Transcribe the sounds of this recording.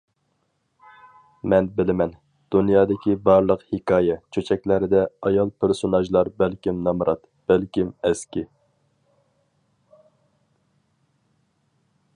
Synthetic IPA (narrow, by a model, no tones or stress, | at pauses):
mɛnbɪlɪmɛn | d̪̥unjɑːd̪ɪkʲibɑɾlˠəqhɪkʰɑːjɛt͡ʃʰøt͡ʃʰɛkʲlæɾɪd̪ɛɑjɑlˠpʰɪɾsonɑʒlˠɑɾbælkʲimnɑmɾʔɑt̪ | b̥ɛlkʲimɛskʲi